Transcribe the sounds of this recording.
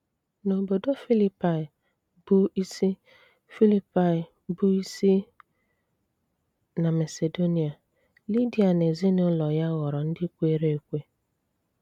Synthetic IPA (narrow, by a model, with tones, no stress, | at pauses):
no˨bo˨do˦fi˦li˦pa˨ɪ˨ | b̥u˦i˦si˦ | fi˦li˦pa˨ | bu˦i˦si˦ | na˨ma˨se˨do˦ni˨a˨ | li˦di˨a˨ne˨zi˦nʊ˦lɔ˨ja˦ɣɔ˨ɾɔ˨n̩˦dɪ˦kʷe˦ɾe˦e˨kʷe˦